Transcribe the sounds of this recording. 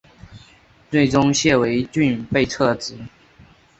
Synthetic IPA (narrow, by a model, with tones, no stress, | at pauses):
t͡swe˥˩ɪʈ͡ʂʊ˥ŋɕjɛ˥˩we˧˥ɪt͡ɕy˥˧npe˥˧ɪt͡sʰɤ˥˩t͡sɹ̩˧˩˦